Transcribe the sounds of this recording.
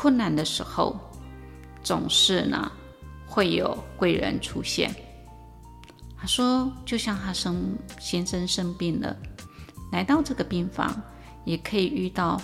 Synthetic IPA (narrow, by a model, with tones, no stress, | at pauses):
kʰwə˥˩nna˥˩nd̪ə˨ʂɻ̩˧˥xo̰˥˧ʊ | t͡sʊ̰˨˩ŋʂɻ̩˥˩nə̰˩ | xwe˥˩ɪjo˨˩ʊkwe˥˩ɪɻə̰˧˥nʈ͡ʂʰu˥ɕjɛ̰˥˩n | t̪ʰa˥ʂwɔ˥t͡ɕjo˥˧ʊɕjɑ˥˩ŋt̪ʰa˥ʂə˥ŋɕɛ˥nʂə˥nʂə˥ŋpi˥˩nd̪ə̰˩ | la˧˥ɪt̪ɑ˥˧ʊʈ͡ʂɤ˥˩ɡə˩pi˥˩nfɑ̰˧˥ŋ | jɛ˨˩kʰɤ˧˥i˨˩y˥˧t̪ɑ˥˩ʊ